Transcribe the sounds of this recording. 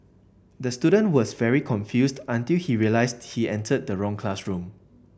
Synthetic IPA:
dəstjudə̃nʔwɔsvɛɹikʰɔ̃nfjusdãntilhiɹiəlaɪsdhiɛ̃ntəd̚dəɹɔ̃ŋkʰlasɹũm

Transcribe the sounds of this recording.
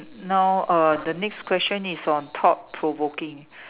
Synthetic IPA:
nawadənɛkskʰwɛst͡ʃə̃nisɔ̃ntʰɔpʰːɹovokɪ̃ŋ

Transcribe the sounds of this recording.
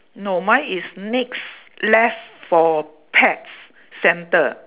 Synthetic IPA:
nɔmaisnikslɛsfɔ | pʰɛtsː | ɛ̃ntə

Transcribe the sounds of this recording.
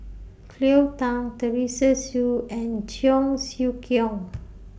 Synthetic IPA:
kʰliwt̪ãŋt̪əɾisəsjuɛ̃nt͡ʃjɔŋsjukjɔŋ

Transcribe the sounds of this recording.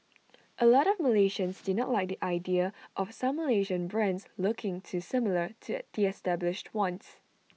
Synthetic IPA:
ʔəlɔɾɔvməleʃə̃nsdɪnɔʔlajk̚diʔaɪdiəʔɔfsãmːəleʒə̃nbɹɛ̃nslʊkʰɪ̃ŋtʰusɪmlətʰud̥iɛstɛblɪʃtwɔ̃ns

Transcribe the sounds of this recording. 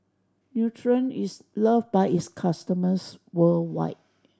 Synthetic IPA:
njutʰɹə̃nis | ləvbaɪiskʰastəməswəlwa̰ɪt̚

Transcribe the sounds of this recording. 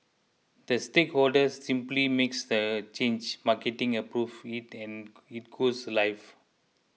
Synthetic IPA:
d̪̥əstekhɔldəsːĩmplimeksd̪ət͡ʃẽnd͡ʒmaketĩŋəpɾuvitɛ̃n | it̚ɡ̥oslajf

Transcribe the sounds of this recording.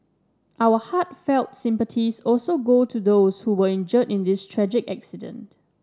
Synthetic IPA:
ʔawəhatfɛlˠtsɪ̃mpətʰisɔlsoɡotʰudoʊshuwəɪ̃nd͡ʒətɪ̃ndɪstʰɹɛd͡ʒɪkaksidə̰̃nt

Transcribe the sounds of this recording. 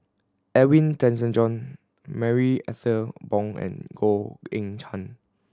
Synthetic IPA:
ʔɛwĩntɛ̃ns̬ə̃nd͡ʒɔ̃n | mɛɹiɛθəbɔ̃ŋɛ̰̃nɡ̥oḛ̃ŋtʰãn

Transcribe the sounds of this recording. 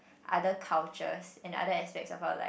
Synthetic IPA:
ʔadəkʰalt͡ʃə̰sɛ̃na̰dəɛspɛk̚sɔfaʊla̰ɪ

